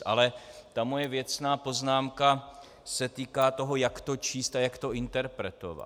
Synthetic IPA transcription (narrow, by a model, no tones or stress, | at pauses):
ʔa̰lɛt̪amo̞jɛvjɛt͡snaːpo̞znaːmka | sɛt̪iːkaːt̪o̞ɦo̞jakt̪o̞t͡ʃiːst̪ajakt̪o̞ʔɪnt̪ɛɾpɾɛt̪o̞̰va̰